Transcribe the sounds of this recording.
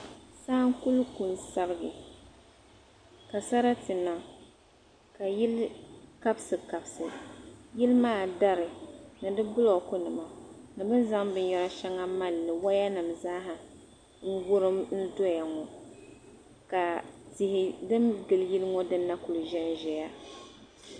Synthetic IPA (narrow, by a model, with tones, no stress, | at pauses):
saː˦ŋku˦lku˨n˨sa˦ɾɨ˦ɡɨ˨ | ka˨sa˦ɾa˦tɨ˨na˨ | ka˨jɪ˦lka˦bsɨ˨ka˨bsɨ˨jɪ˦lmaː˦˨da˦ɾɨ˨nɨ˨dɨ˦bʊ˦lo˨kʊ˦nɨ˨ma˨nɨ˨bɨ˦nza˦ŋbɨ˦njɛ˦ɾa˦ʃɛ˦ŋa˦ma˦˨lːɨ˨wa˦ja˦nɨ˨mza˦ɦɨ˨ | ŋ̩˦ɡʊ˦ɾɨ˦mn̩˦dɔ˦ja˨ŋɔ˨ | ka˨ti˨hɪ˨dɨ˦mɡɨ˨lji˦lŋɔ˦dɨ˦nːa˦kʊ˨lɨ˨ʒɛ˦nʒɛ˨ja˦